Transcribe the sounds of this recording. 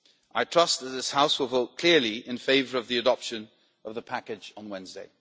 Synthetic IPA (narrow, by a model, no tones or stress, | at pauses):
ʔaɪtʰɹ̥ʌsðəʔ̪̚ðɪshaʊswəlˠvoʊʔ̚kʰl̥ɪəliɪ̃nfeɪvə˞əvðiədɒpʃə̃n | əvðəpʰakɪd͡ʒn̩wɛ̃nzdeɪ